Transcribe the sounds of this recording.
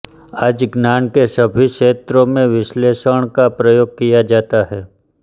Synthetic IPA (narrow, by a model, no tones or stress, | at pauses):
aːd͡ʒɡnaːnkesəbʱiʃeːt̪ɾõmẽʋɪʃleːʃəɽ̃kapɾəjoːɡ̚kijad͡ʒaːt̪aɦɛː